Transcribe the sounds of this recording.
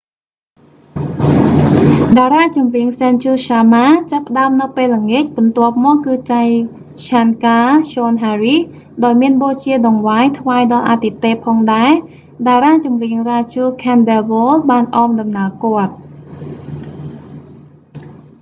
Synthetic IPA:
ɗaːɾaːt͡ɕumriəŋsɛnt͡ɕuːɕaːmaːt͡ɕapːə̆ɗaəmnɨwpeːlːəŋiəc̚ɓɑnt̪ŏəp̚mɔːkːɨːt͡ɕaj | t͡ɕʰaːnkaːɕoːnɦaːri | ɗaɔjmiənɓoːt͡ɕiəɗɑŋʋaːjt̪ʰʋaɛɗɑlʔa̰t̪it̪eːpʰɑːŋɗaɛ | ɗaɛɾaːt͡ɕumriəŋraːt͡ɕuːkʰɛːnɗɛlʋoːlɓaːnʔɑːmɗɑmnaəkŏət̪̚

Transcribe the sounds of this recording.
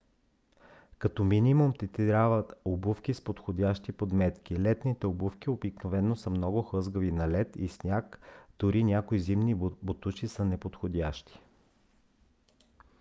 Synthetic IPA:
kɐt̪ɔminʲimumt̪ɛt̪ɾavət̪obufk̟ʲispot̪xod̪ʲaʃt̪ipod̪mɛt̪kʲilɛt̪nit̪ɛobufk̟ʲiobiknovɛnːosɐmnɔɡʊxɤzɡəvinɐlɛt̪ḭsnʲakd̪̥ʊɾinʲakoizimnibot̪ut͡ʃisɐnɛpot̪xod̪ʲaʃt̪i̥

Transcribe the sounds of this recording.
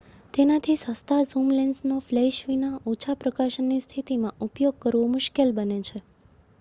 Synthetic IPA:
t̪enat̪ʰisəst̪ʰazumlensnoflɛʃʋinaot͡ʃʰapɾəkaʃənːist̪ʰit̪imãupjoɡ̚kəɾʋomʊʃkelbənet͡ʃʰe

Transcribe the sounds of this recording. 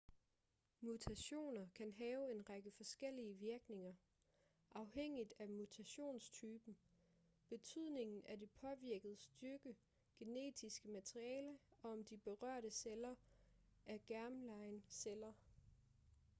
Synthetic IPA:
mut͡sʰæɕo̝̰ːnɐkʰænɦɛːʊe̝nʁɑɡ̥əfɒ̽sɡ̥el̰iəʋiɐɡ̥ne̝ŋɐ | ʔɑ̈ʊheŋ̰id̥æmut͡sʰæɕo̝̰ːnst͡sʰyːb̥n̩ | b̥e̝t͡sʰyð̞̰ˠne̝ŋn̩æd̥e̝pʰɒ̽ʋiɐɡ̥əð̩ˠəsd̥yɐɡ̥ə | ɡ̥e̝ne̝̰ːd̥ʰisɡ̥əmæt͡sʰʁiɛːləɒ̽ɒ̽md̥ib̥e̝ʁɶɐ̰ɾ̥əselɐ | ʔæɐɡ̥æɐmlɑ̈ɪnselɐ

